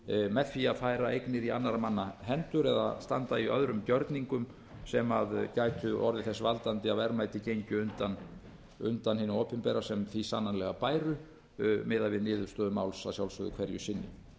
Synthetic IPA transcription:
mɛðθiaðfaːjɾaejknɪɾia̰nːaɾamanːaɦɛnt̪ʏɾɛða̰st̪ant̪aiœðɾʏmcœɾt̪niŋkʏm | sɛmaðcaːjt̪ʰʏʔɔ̰ɾðɪθɛsːvalt̪ant̪ɪavɛɾmajt̪ɪcejɲcʏʏnt̪an | ʏnt̪anhɪnːʏoːpɪnpɛɾasɛmθisanːanlɛɣapaːjɾʏ | mʔɪːðavɪðnɪːðʏɾ̥st̪œːðʏmawlsasjawlsœðʏ̰kʰv̥ɛɾjʏsɪnːɪ̰

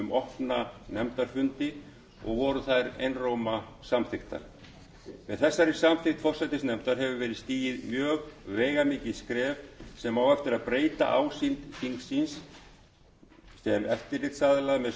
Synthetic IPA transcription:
ʏmɔhpnanɛmt̪aɾ̥fʏnt̪ɪ | ɔ̰ɣvɔɾʏθaðɾḛjnroːwmasamθɪxt̪a̰ɾ̥ | vɪðθɛsːaɾɪsamθɪht̪fɔr̥sajt̪ɪsnɛmt̪aɾ̥ɦɛvʏvɛːɾɪst̪iːjɪðmjœːɣvɛːjɣamiːcɪðskɾɛːvsɛmawɛft̪ɪɾaðpɾeːjt̪a̰ʔaːwsint̪fiŋksins | sɛnɛft̪ɪɾrɪt̪saːðɪlaɣmɛð

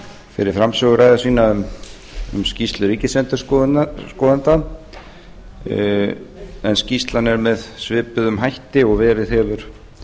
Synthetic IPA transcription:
fɪ̰ɾɪɾ̥fɾamsœɣʏɾaːjðasviːnaʏm | ʏ̰mscist̪lʏɾiːcɪsɛnt̪ʏskɔːðant̪a | ɛnscist̪lanɛɾmɛðsvɪːpʏðʏmɦajht̪ɪɔɣvɛːɾɪðɛvʏɾ̥

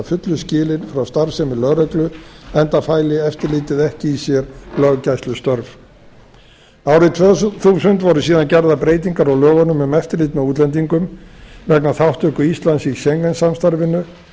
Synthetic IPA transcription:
fʏt̪lʏscɪːlɪnfɾawst̪aɾsɛmɪlœɣɾœklʏɛnt̪afaːjlɪɛft̪ɪɾliːt̪ɪðɛhcɪisjɛɾlœɣcajst̪ʏst̪œɾv | aːwɾɪt̪ʰθuːsʏnt̪vɔɾʏsiːðancɛɾðapɾeːjt̪iŋkaɾawlœːɣanʏmʏmɛft̪ɪɾlɪːt̪mɛðuːt̪lɛnt̪̬iŋkʏmvɛknaθawht̪ʏhkʏist̪lansisɛŋkɛnsamst̪aɾvɪnːʏ

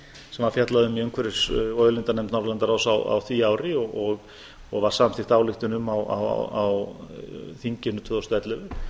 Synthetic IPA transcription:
sɛmvaɾ̥fjat̪laðʏmiœŋkʰvɛɾɪsɔjðʏlɪnt̪anɛmt̪nɔɾlɛnt̪aɾawsawa̰wθviaːwɾɪɔɣɔɣ | ɔɣvaɾ̥samaθɪ̥θaːwlɪxt̪ʏnʏmawa̰w̰aw | θiɲcɪnːʏt̪ʰvœːðɔst̪ɛt̪lɪvʏ

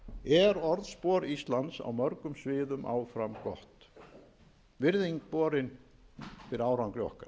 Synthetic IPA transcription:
ɛɾɔɾðspɔːɾist̪lant̪sa̰wmœɾkʏmsvɪːðʏmʔa̰ːwfɾamkɔht̪ | vɪɾðiŋkpɔːɾɪn | fɪɾaːwɾawŋklɪɔ̰hkaɾ

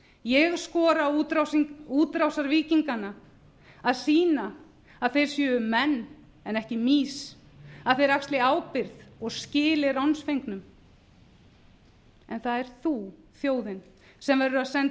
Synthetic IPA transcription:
jɛɣskɔːɾaut̪ɾawsiŋuːt̪ɾawsaɾviːciŋkana | aðsiːna | aðθejɾ̥sjœːʏmɛnː | ɛnɛhcɪmiːs | aðθejɾakst̪lɪaːwpɪɾðɔɣscɪːlɪrawnsfejŋknʏm | ɛnθaðɛɾ̥θu | θjoːwðɪn | sɛmvɛɾʏaðsɛn

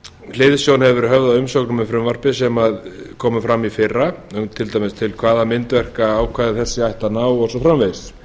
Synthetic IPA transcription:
l̥eːðɪsjownhɛvvɛɾɪɾhɦœvðaðʏmsɔknʏmɛfɾʏmvar̥pɪsɛmaðkʰɔːmʏfɾamːifɪrːaœt̪ʰɪlt̪ajmɪst̪ʰɪlkʰvaːðamɪnt̪vɛr̥kaaːwkʰvaːðɪθɛsːɪajht̪anaːwɔsɔfɾamveːjs

